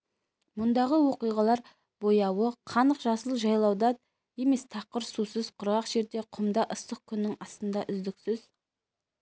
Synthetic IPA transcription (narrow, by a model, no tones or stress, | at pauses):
mʊnd̪ɑʁəwo̞qijʁɑlˠɑɾ | bojɑwəqʰɑnəqʒɑsəlˠəʒɑjlˠɑwd̪ɑ | je̞me̞st̪ʰɑqəɾsusəzqʰʊɾʁɑqʒ̥e̞ɾd̪e̞qʰʊmd̪ɑʔəst̪əq̚kʲʰʏnːɪŋɑst̪ənd̪ɑʔʏzd̪ɪksɪz̥